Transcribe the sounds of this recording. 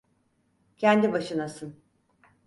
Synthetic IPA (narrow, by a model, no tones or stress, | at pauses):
cʰɛnd̪ibaʃɯnasɯn